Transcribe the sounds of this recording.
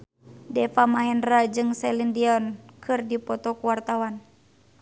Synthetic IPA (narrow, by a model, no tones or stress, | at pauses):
dɛfamaɦɛnrad͡ʒɨŋsɛlindiɔnkʰɨrdipɔt̪ɔkuwart̪awan